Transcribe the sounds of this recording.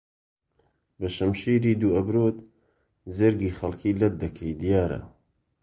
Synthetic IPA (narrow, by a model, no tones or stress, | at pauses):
bɐʃɐmʃiːɾiːd̪uːɐbɾoːt̪ | zɐɾɡiːxɐlkʰiːlɐd̪̚d̪ɐkʰɐjd̪ijaːɾɐ̰